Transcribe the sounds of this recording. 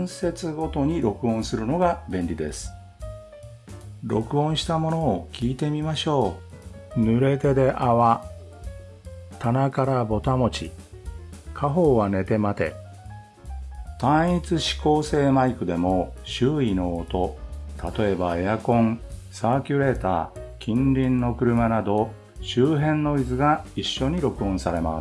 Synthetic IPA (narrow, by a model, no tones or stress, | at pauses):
se̞t͡sɨɡo̞t̪o̞ɲ̟iɾo̞kɯ̟õ̞ɰ̃sɨɾɯ̟no̞ɡabẽ̞nɾʲid̪e̞̰sɨ̥ | ɾo̞kɯ̟õɰ̃ɕi̥t̪amo̞no̞ːkʲiːt̪e̞mʲimaɕo̞ː | nɯ̟ɾe̞t̪e̞d̪e̞ʔaβa | t̪anakaɾabo̞t̪amo̞t͡ɕḭ | kʰaɦo̞ːβane̞t̪e̞mat̪e̞̰ | t̪ãɰ̃it͡sɨɕi̥ko̞ːse̞ːmaikɯ̟d̪e̞mo̞ɕɨːino̞ːt̪o̞t̪at̪o̞e̞baejakõ̞ŋsaːkʲɯɾe̞ːt̪a̰ːkʲĩnɾʲĩnːo̞kɯ̟ɾɯ̟manad̪o̞ | ɕɨːɦẽ̞nːo̞izɨɡaiɕːo̞ɲ̟iɾo̞kɯ̟õsaɾe̞ma̰̥